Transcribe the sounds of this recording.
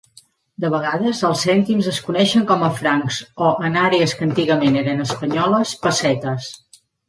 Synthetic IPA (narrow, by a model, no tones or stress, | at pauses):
d̪əβ̞əɣaðəzəlˠsːɛnt̪imzəskunɛʃəŋkɔməfɾaŋkzoʔənaɾeəskənt̪iɣəmeneɾənəspəɲɔləspəsɛt̪əs